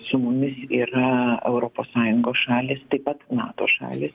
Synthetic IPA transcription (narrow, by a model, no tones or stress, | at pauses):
sʊmʊmʲɪsiːɾɐɛʊɾoːpoːssɑːjʊŋɡoːsʃɑːlʲeːst̪ɐɪpɐt̪nɑ̰ːt̪o̰ːʃɑ̰ːlʲeːs